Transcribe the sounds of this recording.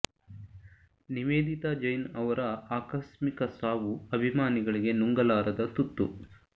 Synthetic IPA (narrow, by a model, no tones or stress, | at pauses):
niʋeːd̪it̪ad͡ʒɐjnɐʋɐɾɐaːkɐʃmikɐsaːʋuɐbʱimaːniɡɐɭiɡe̞nuŋɡɐlaːɾɐd̪ɐt̪ut̪ːṵ